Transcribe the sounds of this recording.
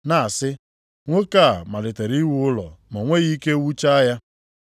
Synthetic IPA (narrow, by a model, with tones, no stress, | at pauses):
na˨a˨sɪ˦ | ŋʷo˦ka˦˨ma˨lɪ˨te˨ɾi˦wʊ˦ʊ˦lɔ̰˨ma˨ŋʷe˦ɣi˦ke˦wu˦t͡ʃa˦a˦ja˦